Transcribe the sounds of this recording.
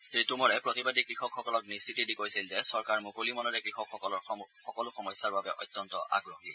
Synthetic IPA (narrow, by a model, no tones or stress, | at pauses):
sɹitumɔɹɛpɹotibadikɹixɔkxɔkɔlɔk̚nisitidikojsilzɛsɔɹkaɹmukolimɔnɔɹɛkɹixɔkxɔkɔlɔɹxɔkɔlʊxɔmɔjsːaɹbabɛʔɔ̰jtːɔntɔʔa̰ɡɹohi